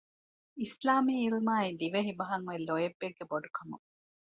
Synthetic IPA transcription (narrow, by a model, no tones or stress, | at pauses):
islaːmiːlmaːid̪iʋeɦibɐɦɐŋʋelojebːeɡːeboɖukʰɐmṵ